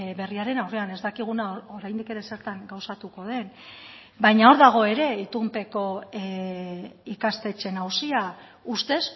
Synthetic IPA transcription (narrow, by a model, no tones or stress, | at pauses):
βe̞riaɾe̞nawreane̞zd̪akiɣ̞unaoɾajnd̪ike̞ɾe̞se̞ɾt̪aŋɡawsat̪uko̞ð̞e̞n | bajɲao̞ɾðaɣ̞o̞e̞ɾe̞it̪umpe̞ko̞ | ikast̪e̞t͡ʃe̞nawsia | ust̪e̞s